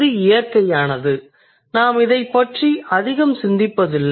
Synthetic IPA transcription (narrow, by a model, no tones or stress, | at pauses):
ɯɪjɐrkɐjaːnɐðɯ | naːmɪðɐɪpːɐʈriɐðɪɣɐmsɪnd̪ɪpːɐðɪlː